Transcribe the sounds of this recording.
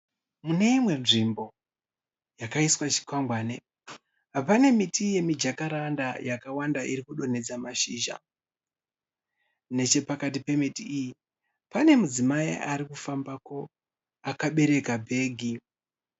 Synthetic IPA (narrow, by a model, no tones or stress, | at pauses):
mune̞imwe̞nʐimbo̞ | jakaiswat͡ʃi̥kwambwaːne | ɦapane̞mitije̞mid͡ʒakaɾandajakawandaʔiɾikuɗo̞ne̞d͡zamaʃiːʒa̰ | ne̞t͡ʃe̞pakatipe̞mitiiji | pane̞mud͡zimaḭaɾikufambako̞ | akaɓe̞ɾe̞kabʱe̞ːɡʱi